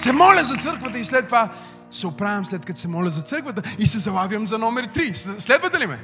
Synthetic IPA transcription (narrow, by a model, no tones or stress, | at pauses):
sɛmɔlʲɐzɐt̪sɤɾkvət̪əislɛt̪ːova | sɛopɾavʲɛmslɛt̪̚kɐt̪osɛmɔlʲɐzɐt̪sɤɾkvət̪əisɛzɐbavjəmzɐnɔmɛɾt̪ɾisslɛd̪vət̪ɛlimɛ̰